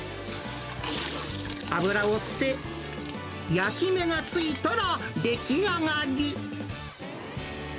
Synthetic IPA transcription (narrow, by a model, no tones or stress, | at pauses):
a̰bɯ̟ɾaosɨ̥t̪e | jakʲime̞ŋat͡sɨit̪oɾa | d̪ekʲʰiaŋaɡʲi